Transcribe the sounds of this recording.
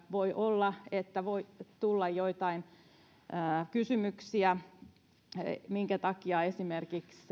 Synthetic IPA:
ʋoiʔolːɑet̪ːæʋoit̪ulːɑjjoit̪ɑinː | kysymyksiæ | miŋkæt̪ɑkiɑesimerkiks

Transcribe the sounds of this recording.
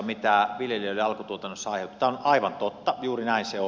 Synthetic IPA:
mit̪æʋiljelioliɑlkut̪uot̪ɑnːosːɑɑˑiheout̪ut̪æonʔɑˑiʋɑnt̪ot̪ːɑjuːrinæinseo

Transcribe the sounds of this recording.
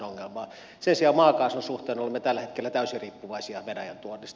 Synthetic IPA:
oŋːelmɑː | sensiɑmɑːkɑˑsonsuht̪eːnolemːet̪ælːæhet̪kelːæt̪æˑysiriːpːuʋɑisiɑʋenæ̰jæ̰nt̪uonːist̪

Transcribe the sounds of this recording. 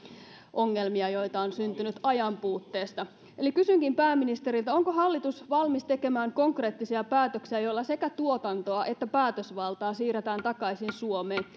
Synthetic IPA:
ʔo̞ŋːe̞lmiɑjo̞jt̪ɑonsynt̪ynyt̪ɑjɑmpuːt̪ːe̞ːst̪ɑ | ʔelikysyŋkimpæːmːinist̪eɾilt̪æo̞ŋkoɦɑlːit̪usʋɑlmist̪e̞ke̞mæːŋko̞ŋkre̞ːt̪ːisiæpæːt̪øksiæjolːɑse̞kæt̪uo̞t̪ɑnt̪oɑʔe̞t̪ːæpæːt̪øsʋɑlt̪ɑːsiːɾet̪æːnt̪ɑkɑisinsuomeːn

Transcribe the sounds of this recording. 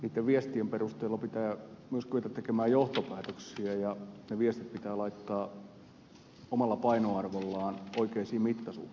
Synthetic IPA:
niːt̪ːeʋʋiest̪iemperust̪eːlːɑpit̪æːmyøskyet̪æt̪t̪ekemæːjoht̪opæːt̪øksiæjɑneʋiest̪it̪̚pit̪æːlɑit̪ːɑː | omɑlːɑpɑinoɑrʋolːɑːnoikeisiːmit̪ːɑsṵ̥ː

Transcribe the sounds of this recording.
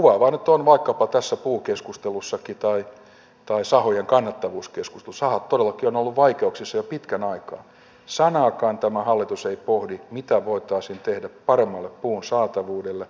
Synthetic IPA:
kuʋɑʋɑːnyt̪onʋɑikːɑpɑt̪æsːæpuːkeskust̪elusːɑkit̪ɑi | t̪ɑisɑhojeŋkɑnːɑt̪ːɑʋuːskesku̥st̪elusɑhɑt̪t̪odelːɑkionolːuʋʋɑikeuksisːɑjopit̪kænɑikɑː | sɑnɑːkɑːnt̪æmæhɑlːit̪useipohdimit̪æʋoit̪ɑisint̪ehdæppɑremːɑlːeppuːnsɑːt̪ɑʋuːdelːe

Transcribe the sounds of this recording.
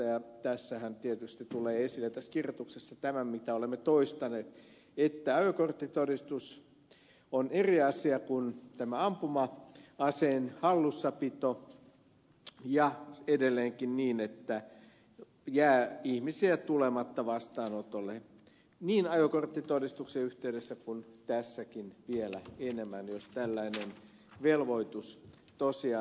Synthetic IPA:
ɑjɑt̪æsːæhænt̪iet̪yst̪it̪uleːesilːet̪æskirjot̪uksesːɑt̪æmæmmit̪æolemːet̪oist̪ɑneːt̪ | et̪ːæɑjokort̪ːit̪odist̪us | oneriɑsiɑkunt̪æmæɑmpumɑɑseːnhɑlːusːɑpit̪o | jɑedelːeːŋkinniːnet̪ːæ | jæːihmisiæt̪ulemɑt̪ːɑʋɑst̪ɑːnot̪olːe | niːnɑjokort̪ːit̪odist̪ukseyht̪eydesːækunt̪æsːækinʋielæenemːænjost̪ælːæinen | ʋelʋoit̪us | t̪osiɑ

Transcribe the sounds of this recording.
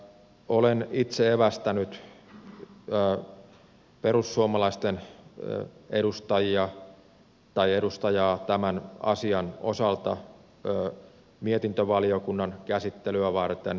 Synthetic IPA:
olenit̪seeʋæst̪ænyt̪ | peɾusːuomɑlɑist̪en | eɾust̪ɑjiɑ | t̪ɑieɾust̪ɑjɑːt̪æmænɑ̰siɑno̰sɑlt̪ɑ | miet̪int̪øʋɑliokunːɑnkæsit̪ːelyæʋɑrt̪en

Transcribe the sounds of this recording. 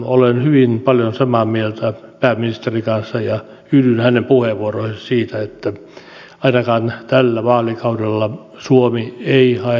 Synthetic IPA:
olenhyʋinpɑljonsɑmɑmielt̪æpæːminist̪erikɑnsːɑjɑ | hyːdynhænempuheʋuorohessiːt̪æet̪ːæ | ɑinɑkɑːnt̪ælːæʋɑːlikɑudelːɑ | suomieihɑe

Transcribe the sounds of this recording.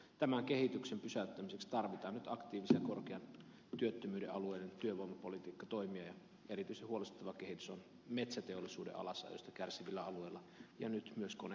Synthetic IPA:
t̪æmæŋke̞hit̪yksempysæyt̪ːæmisekst̪ɑrʋit̪ɑːnnyt̪ɑkt̪iːʋisejɑkorkeɑn | t̪yøt̪ːømyːdeʔɑlueident̪yøʋoijmɑpolit̪iːkːɑt̪o̞imiɑjɑ | erit̪yisehuolest̪ut̪ˑːɑʋɑkehit̪y̥son | met̪sæt̪eolːˑisṵːdḛʔɑ̰lɑsːɑ̰jo̰st̪ɑkærsiʋilːæɑlueˑlːɑjɑnyt̪myøskone

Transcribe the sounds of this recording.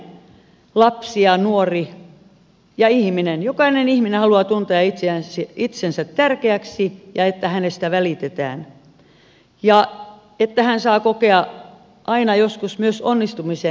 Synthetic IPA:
lɑpsiɑnuori | jɑihminenjokɑinenihminehɑluɑt̪unt̪eɑit̪eæsiit̪sensæt̪tærkeæksijɑet̪ːæhænest̪æʋælit̪et̪æ̰ːn | jɑ | et̪ːæhænsɑːkokeɑ | ʔɑinɑjoskusmyøsonːist̪umise

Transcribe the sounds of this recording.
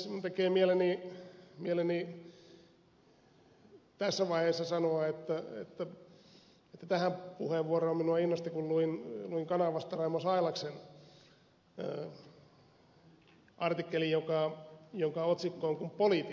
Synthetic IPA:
ut̪ekeːmielenimieleni | t̪æsːæʋɑiheːsːɑsɑnoɑet̪ːæḛt̪ːæ | et̪ːæt̪æhæmpuheʋʋuoroːminuɑinːost̪ikulluinluiŋkɑnɑʋɑst̪ɑrɑimosɑilɑksen | ʔɑrt̪ikːelijokɑjoŋkɑot̪sikːoːŋkumpolit̪i

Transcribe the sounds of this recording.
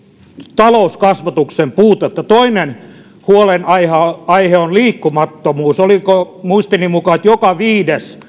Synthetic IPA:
t̪ɑlouskɑsʋɑt̪uksempuːt̪ɑet̪ːɑt̪oinen | huolenɑihɑɑiheonliːkːumɑt̪ːomuːsoliko | muist̪inimukɑet̪jokɑʋiːdes

